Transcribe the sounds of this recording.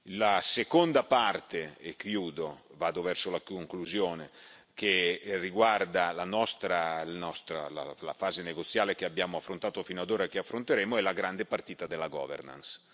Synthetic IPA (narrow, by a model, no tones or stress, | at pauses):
lasekond̪apart̪eekjuːd̪ovaːd̪ovɛrsolakoŋkluzjoːne | keriɡward̪alanɔst̪ɾalanɔst̪ɾa̰la̰la̰faːzeneɡot̪sːjaːlekeabjaːmoafːɾont̪aːt̪ofiːnoad̪oːɾaekeafːɾont̪eɾeːmoɛlaɡɾand̪epart̪iːt̪ad̪elːaɡɔ̰ːvḛrna̰ns